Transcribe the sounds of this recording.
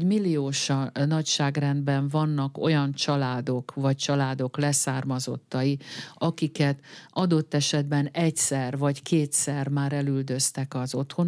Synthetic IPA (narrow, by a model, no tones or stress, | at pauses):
milːioːʃɒnɒcʃaːɡrɛnd̪bɛɱvɒnːɒko̞jɒnt͡ʃɒlaːd̪o̞kvɒc̚t͡ʃɒlaːd̪o̞klɛsaːrmɒzo̞̰t̪ːɒjiɒkikɛt̪ɒd̪o̞t̪ːɛʃɛd̪bɛnɛcsɛrvɒckeːt̪sɛrmaːɾɛlyld̪ø̞st̪ɛkɒzo̞t̪ho̞n